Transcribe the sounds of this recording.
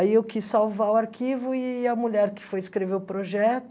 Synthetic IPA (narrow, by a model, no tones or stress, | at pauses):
aiewkisːawvaʊaɾkivʊɪɐmuʎɛɾkɪ̥fojɪskɾeveʊpɾoʒɛt̪